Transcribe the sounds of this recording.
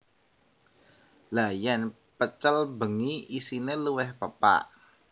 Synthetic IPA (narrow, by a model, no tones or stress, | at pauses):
lajan | pət͡ʃəlbəŋiisineluwɛhpəpa̰ʔ